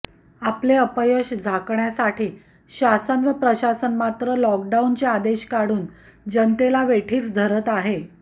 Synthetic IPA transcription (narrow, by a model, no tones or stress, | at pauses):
apleəpəjoɕd͡zʱakɳjasaʈiː | ɕasənʋəpɾəɕasənmat̪ɾəlɔk̚ɖaunt͡ɕead̪eɕkaɽuːn | d͡ʑənt̪elaʋeʈʰiːt͡sd̪ʱəɾət̪aɦe